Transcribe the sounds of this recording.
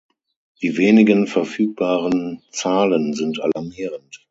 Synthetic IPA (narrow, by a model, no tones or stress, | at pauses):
d̥iːveːnɪɡənfɛɐfyːk̚b̥aːʁənt͡saːlənzɪntʔa̰laɐmiːʁənt